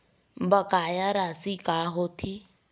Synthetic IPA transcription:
bakajaɾasikaɦoːt̪ʰɪ

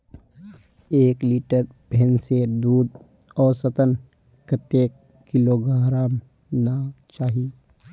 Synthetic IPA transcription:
eːkliːʈəɾ | bʱensed̪uːd̪̚ | ɔːɾsət̪ən | kət̪eːkː | ɪloɡʱaːɦɾaːm | nat͡ʃaːɦi

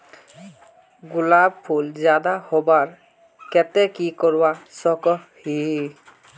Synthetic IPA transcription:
ɡulab̚pʰuld͡ʒad̪ahobaɹ | kɛt̪ɛkikɔɹwasɔkɔhi

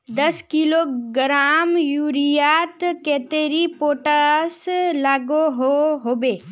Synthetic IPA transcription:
d̪əskiloɡɾaːmjuːɾijaːt̪keːt̪eːɾipoːʈəslaːɡoɦoɦoːbeː

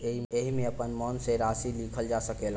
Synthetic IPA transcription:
eɦimeəpənmɔnseɾasilikʰəld͡ʒasəkel

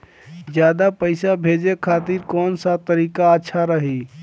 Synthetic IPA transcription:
d͡ʒjad̪apəɪsabʱed͡ʒekʰat̪iɾkɔːnsat̪əɾikaətːʃʰaɾəɦi

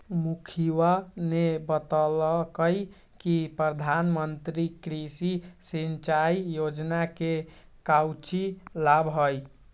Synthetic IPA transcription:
mukʰiwanebət̪ɔlɔkəj | kipɾəd̪ʱanmənt̪ɾikɾisisint͡ʃaijod͡ʒnake | kawt͡ʃilabɦoj

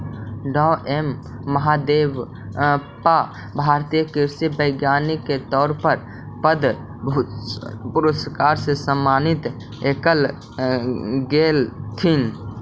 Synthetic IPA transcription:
ɖɔʔemː | əɦad̪eːʋ | pa | bʱaːɾt̪ijəkiɾsibəɪɡjaːnikːet̪ɔːɾpəɾ | pəd̪ | pʊɾəskaːɾsesəmːaːnit̪ | ekəl | ɡeːlt̪ʰin

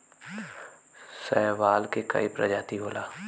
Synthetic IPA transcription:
sɛːʋaːlkekɐ̰ipɾɐd͡ʒaːt̪iɦoːlaː

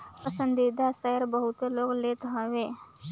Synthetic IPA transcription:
pəsə̃nd̪id̪ʱasəjəɾbəɦʊt̪eloːɡleːt̪ɦəʋeː

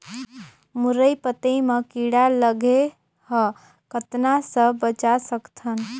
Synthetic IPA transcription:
muɾəjpət̪əmekiɽaləɡe | hə̃ | kət̪nasəbət͡ʃasəkt̪ʰən

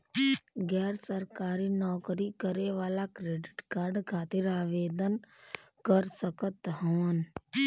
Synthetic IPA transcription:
ɡɛːɾsəɾkaːɾinɔːkɾikəɾeʋaːlakɾeːɖɪʈkaːɾɖkʰaːt̪ɪɾaːʋeːd̪ən | kəɾsəkət̪ɦəʋən

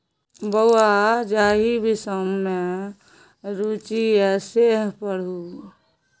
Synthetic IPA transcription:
bəwad͡ʒaːɦibʱisəmːe | ɾut͡ʃiɛseɦpəɽ̤u

